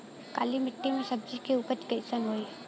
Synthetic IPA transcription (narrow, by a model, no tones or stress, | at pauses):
ka̰ːlimɪʈːimẽsɐb̚d͡ʒikeuːpəɾt̪kəsənɦoːi